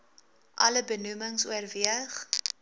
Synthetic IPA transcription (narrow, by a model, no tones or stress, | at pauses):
ʔɐləbənuməŋsuərviəχ